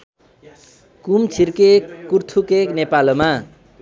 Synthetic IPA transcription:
kumt͡sʰirkekːurt̪ʰukeknepaloma

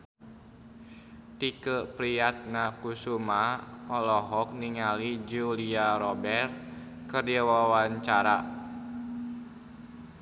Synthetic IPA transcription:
t̪ikəpɾiat̪̚nakusumaɔlɔɦɔk̚niŋalid͡ʒuliaɾɔbɛr | kərdawawaɲt͡ʃaɾa

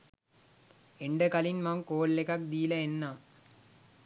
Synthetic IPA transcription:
eɳɖəkɐlinmaŋkoːlːekɐk̚d̪iːlɐenːaːm

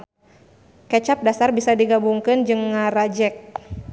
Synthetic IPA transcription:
kɛt͡ʃap̚dasarbisadiɡabuŋkɨnd͡ʒɨŋːaɾad͡ʒɛk̚

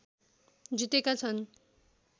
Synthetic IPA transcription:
d͡zit̪ekat͡sʰʌn

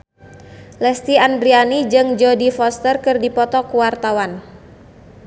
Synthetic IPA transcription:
lɛst̪iandɾianid͡ʒɨŋd͡ʒɔdifɔst̪ərkɨrdipɔt̪ɔkuwart̪awan

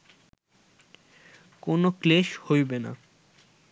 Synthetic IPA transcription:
konokleʃhojbena̰

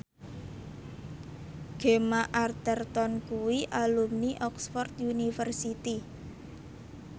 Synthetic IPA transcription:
ɡ̥e̤maʔart̪ərt̪ɔnkuwiʔalumniʔɔksfɔrt̪̚junifərsit̪i

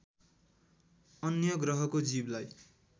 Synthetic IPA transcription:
ʌnjʌɡrʌɦʌkod͡ziblaj

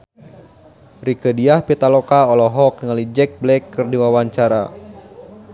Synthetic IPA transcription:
rikədiahpit̪alɔkaɔlɔɦɔk̚ŋalid͡ʒɛk̚blɛkːɨrdiwawaɲt͡ʃaɾa̰

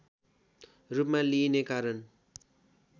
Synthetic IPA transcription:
rupmãlinekaɾʌn

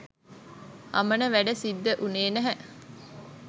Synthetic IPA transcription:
hɐ̰mənəʋæɖəsid̪ːəʔuneːnæɦæʔ

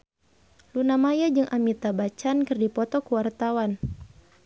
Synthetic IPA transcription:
lunamajad͡ʒɨŋʔamit̪abat͡ʃankɨrdipɔt̪ɔkəwart̪awan

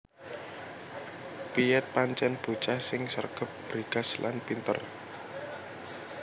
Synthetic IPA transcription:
piɛt̪̚paɲt͡ʃɛnb̥ṳt͡ʃasɪŋsə̰rɡ̥ə̤p̚b̥ɾiɡaslʔa̰npint̪ə̰r

